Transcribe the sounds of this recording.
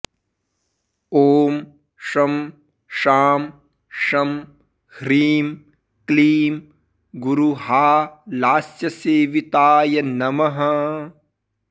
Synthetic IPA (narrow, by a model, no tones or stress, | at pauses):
oːm | ʂɐm | ʃaːm | ʂɐm | hɾiːm | kliːm | ɡuɾuɦaːlaːsjɐseːʋit̪aːjɐnɐmɐɦɐ